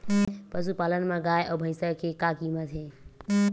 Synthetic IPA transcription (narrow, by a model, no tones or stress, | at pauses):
pəsupalənmãɡaːjʔɔbʱə̃ɪ̃səkekakimat̪ʰe